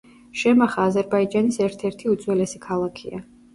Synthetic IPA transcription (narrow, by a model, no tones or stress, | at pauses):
ʃɛmaχaːzɛɾbaid͡ʒanisɛɾt̪ʰɛɾt̪ʰiut̪zʼwɛlɛsikʰalˠakʰḭa̰